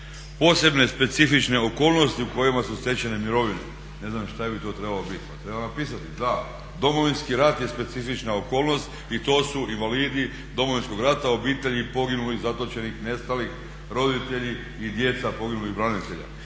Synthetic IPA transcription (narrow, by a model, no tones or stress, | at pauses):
po̞ːse̞bne̞spe̞t̪sifit͡ʃne̞oko̞ːlˠno̞st̪iuko̞jimasust̪e̞t͡ɕene̞miɾo̞ʋinḛ | ne̞znamʃt̪abit̪o̞ːt̪ɾe̞balobit̪pat̪ɾebaanapiːsat̪id̪a | d̪o̞mo̞ʋinskiɾat̪jespe̞t̪sifit͡ʃnaoko̞ːlˠno̞st̪ | it̪o̞ːsuinʋaliːd̪i | d̪o̞moʋinsko̞ɡɾat̪ao̞biːt̪e̞ʎipo̞ɡinulizat̪o̞t͡ʃe̞nixne̞st̪alix | ɾo̞d̪it̪e̞ʎi | id̪je̞t̪sapo̞ɡinuliɣbɾanit̪e̞ʎa̰